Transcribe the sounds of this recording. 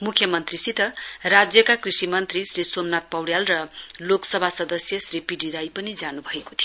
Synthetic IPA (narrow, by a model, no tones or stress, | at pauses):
mukʰjʌmʌnt̪risit̪ʌrad͡zjʌkakrisimʌnt̪risrisomnat̪̚pʌwɽjalrʌloksʌbʱasʌd̪ʌsjʌsripiɖiɾajpʌnid͡zanubʱʌeko̥t̪ʰijo